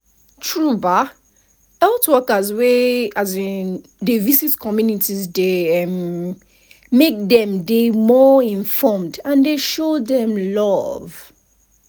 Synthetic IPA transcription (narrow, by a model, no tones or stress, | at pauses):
tʰɹuba | ɛltwɛkazweazĩn | devizitkʰɔmjunitizdeɛ̃m | mek̚dɛ̃mdemɔĩnfɔmdãndeʃodɛ̃mlɔv